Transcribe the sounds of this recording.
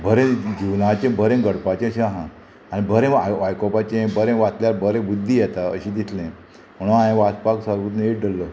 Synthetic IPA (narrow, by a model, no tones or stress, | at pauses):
bʱəɾẽd͡ʑiwnat͡ɕẽbʱəɾẽɡəɽpat͡ɕẽəɕẽaɦã | anibʱəɾẽaʋajkopat͡ɕẽbʱəɾẽʋat̪ljaɾbʱəɾẽbud̪ʱːijɛt̪aə̰ɕĩd̪it̪ʰlẽ | m̤əɽũaẽʋat̪paksaɾʋut̪neʈɖəlːə